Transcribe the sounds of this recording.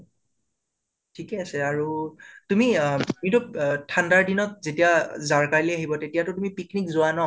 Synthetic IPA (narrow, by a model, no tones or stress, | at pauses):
tʰikɛasɛaɹutumitmitʊtʰandaɹdinɔt̚zetijazaɹkaɹliaɦibɔtetijatʊtumipiknikzʊanɔ